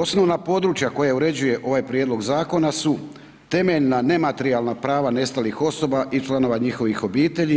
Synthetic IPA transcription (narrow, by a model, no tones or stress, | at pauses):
o̞sno̞ʋnapo̞d̪ɾut͡ʃjako̞jauɾe̞d͡ʑuje̞ʔo̞ʋaːjpɾjed̪lˠo̞ɡzaːko̞nasu | t̪e̞me̞ʎnane̞mat̪eɾialˠnapɾaːʋane̞st̪alixo̞so̞baʔit͡ʃlˠano̞ʋaɲixo̞ʋixo̞biːt̪e̞ʎi